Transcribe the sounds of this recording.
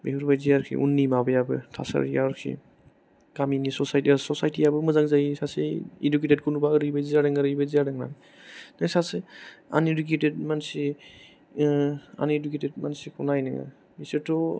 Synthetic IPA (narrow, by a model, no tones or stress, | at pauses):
beɦɯɾbajzijaɾkʰḭʔṵnːimabɯjabɯ̰tʰa̰sa̰ɾijaɾkʰḭ | kaminisɔsajtsɔsajtiabɯmɯzaŋzajisaseḭduketet̚kʰɔnubaɯɾɯjbajziaɾɯŋaɾɯjbajzijaɾɯŋna̰n | nasasea̰niɾuk̬etet̚mansi | a̰niɾuketʰed̚mansikʰɔnajnɯŋa̰ | isetʰɔ